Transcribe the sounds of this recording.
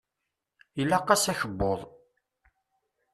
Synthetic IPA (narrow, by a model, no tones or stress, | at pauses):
ilːɑqːɑsæçəbːoðˤ